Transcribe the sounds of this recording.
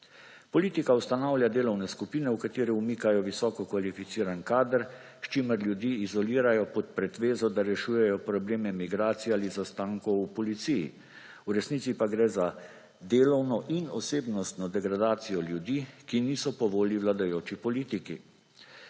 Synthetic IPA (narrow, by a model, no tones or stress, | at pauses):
pɔliːt̪ikawst̪anawlʲjad̪eːlɔwnɛskupiːnɛwkat̪iːɾiumiːkajɔʋisɔːkɔkʋalifit̪siːɾankaːd̪əɾ | ʃt͡ʃiməɾlʲjud̪jiːizɔliːɾajɔpɔt̪pɾɛt̪ʋeːzɔd̪aɾɛʃuːjɛjɔpɾɔbleːmɛmiɡɾaːt̪siaːlizast̪aːŋkɔwupɔlit̪sijḭ | uɾɛsnit̪sipaɡɾɛza | d̪eːlɔwnɔʔinɔseːbnɔst̪nɔd̪ɛɡɾad̪aːt̪sijɔljud̪iːkiniːsɔpɔʋoːliʋlad̪ajoːt͡ʃipɔliːt̪ikḭ